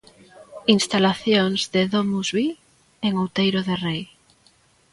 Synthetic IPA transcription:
inst̪alaθjoŋzðeðomuzβi | eŋowt̪ejɾoðerej

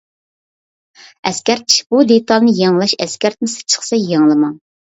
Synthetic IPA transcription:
ɛskʲæɾt̪̚ʰi̥ʃb̥ud̪et̪ɑlˠnɨjɑŋlˠɑʃɛskʲæɾt̪̚mɪsɨ̥t͡ʃʰə̥χsɛjɑŋlˠɨmɑŋ

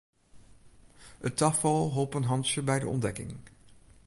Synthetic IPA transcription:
ətɑfɑlˠɦolˠpənɦɑnʃəbɛjdə̰ɔ̰ndɛkɪ̰ŋ

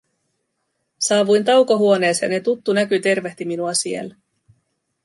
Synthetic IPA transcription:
sɑːʋujnt̪ɑwkoɦuo̞ne̞ːsjɑne̞t̪ut̪ːunækyt̪e̞rʋe̞ht̪iminuɑsie̞̰lː

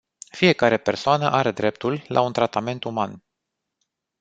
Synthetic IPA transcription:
fije̞kaɾe̞pe̞rsoanəʔaɾe̞d̪ɾe̞p̚t̪ullʔa̰unt̪ɾat̪ame̞nt̪uman

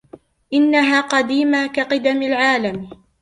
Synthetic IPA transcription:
ʔɪnːaɦaːqɑd̪iːmakaqɨd̪amɪlʕaːlam

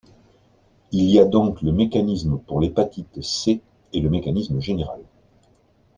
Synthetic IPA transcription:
iliad̪ɔ̃kləmekanismpuʁlepat̪it̪seː | ləmekanisməʒeneʁa̰l

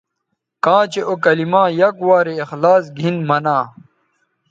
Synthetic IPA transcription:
kãːt͡ɕeʔokɐlimãːjɐkwaːɾeːxlaːs̬ɡʱinmɐnãː

